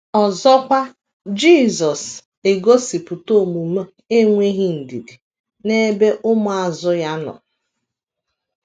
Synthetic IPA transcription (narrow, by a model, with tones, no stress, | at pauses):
ɔ˨zɔ˦kʷa˦ | d͡ʒi˦˨zɔ˨s | e˨ɡo˦si˨pʊ˨to˦˨mu˨m˦ | e˦ŋʷe˦ɦi˦n̩˨di˨di˨ | ne˦be˦ʔʊ˦mʊ˦˨a˨zʊ˦ja˦nɔ̰˨